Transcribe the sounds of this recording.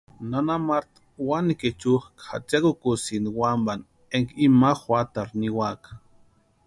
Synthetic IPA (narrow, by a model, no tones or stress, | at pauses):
nanamaɾt̪ | waniket͡ʃuxkxa̰t͡ʃakukusiniwamban | eŋkimaxwʷat̪aɾniwakḁ